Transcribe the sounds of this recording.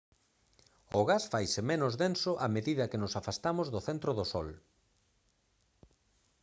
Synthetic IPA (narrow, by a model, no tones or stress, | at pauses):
oɣasfajsɪmenʊzðensʊʔameðiðɐkɪnʊsafast̪amozðʊθent̪ɾoðosɔ̰l